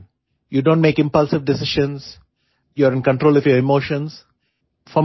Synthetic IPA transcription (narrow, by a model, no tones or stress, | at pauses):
juːɖõːɳʈmeːkɪ̃mpʌlsɪʋɖɪsɪʃə̃ns | juəɾɪ̃nkə̃ɳʈɾoːlɔfjɔɾɪmoːʃə̃ns | fɔ̃